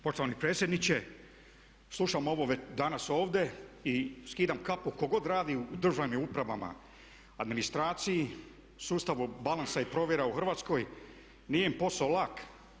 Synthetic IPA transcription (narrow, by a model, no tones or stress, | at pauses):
po̞ʃt̪o̞ʋanipɾe̞ːt̪sjed̪nit͡ɕe̞ | slˠuʃamo̞ʋo̞ʋe̞t͡ɕd̪anaso̞ːʋd̪e̞iskiːd̪amkapuko̞ɡo̞d̪ɾaːd̪iuːd̪r̩ʒaʋmiupɾaʋama̰ | ad̪minist̪ɾaːt̪siji | suːst̪aʋubalansaipɾo̞ʋje̞ɾauxr̩ʋaːt̪sko̞j | nijempo̞saolak